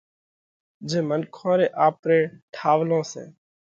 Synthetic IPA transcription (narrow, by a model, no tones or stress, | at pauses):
d͡ʒẽːmənkʰõːɾeːʔaːpɾeːʈʰaːʋlõːsḛ̃ː